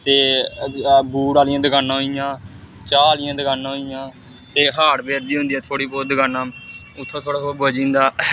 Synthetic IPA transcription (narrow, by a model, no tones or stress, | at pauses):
t̪eː | buːɽaːlɪjãːd̪əɡaːnãːɦoijãː | t͡ʃaːlɪjãːd̪əkaːnãːɦoijãː | t̪eːɦaːɽbeːɾd̪iːɦʊ̃nd̪iːɛːt̪ʰoːɽiːpoːd̪əɡaːnãːʊt̪ʰːõːt̪ʰoːɽaːt̪oboːd͡ʒĩːnd̪aː